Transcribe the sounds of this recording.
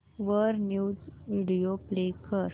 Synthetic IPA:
ʋəɾnjud͡zʋiɽijoplekəɾ

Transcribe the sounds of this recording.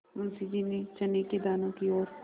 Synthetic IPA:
mɐnsid͡ʒinet͡ʃɐneked̪aːnõkiɔːɾ

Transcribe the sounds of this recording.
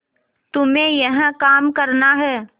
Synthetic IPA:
t̪ʊmẽjɐɦə̃kaːmkɐɾnaɦɛː

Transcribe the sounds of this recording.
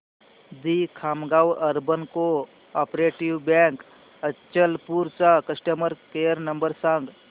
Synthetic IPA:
d̪ikʰaːmɡaːwɐɾbənko | aːpɾeːʈiʋbjɛ̃ːŋk | ət͡ʃəlpuɾsakəsʈəməɾkejəɾnəmbəɾsãŋɡ

